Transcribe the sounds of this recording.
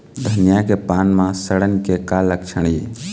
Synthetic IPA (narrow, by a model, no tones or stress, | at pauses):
d̪ʱənjakepaːnmãsəɽənkekalək̚t͡ʃʰəɽ̃iː